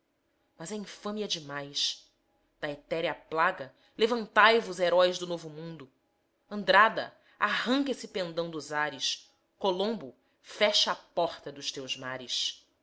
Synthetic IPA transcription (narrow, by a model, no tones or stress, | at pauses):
mɐzɛĩfɐ̃miɐd͡ʒɪmajʃ | d̪̥ɐet̪ɛɾiɐplaɡɐ | levɐ̃nt̪ajvʊzeɾɔjzd̪ʊnovʊmũnd̪ʊ | ɐ̃nd̪ɾad̪ɐ | aɦɐ̃ŋkesɪpẽnd̪ɐ̃w̃d̪ʊzaɾɪs | kolõmbʊ | fɛʃɐapɔχt̪ɐd̪ʊʃt̪ewzmaɾɪs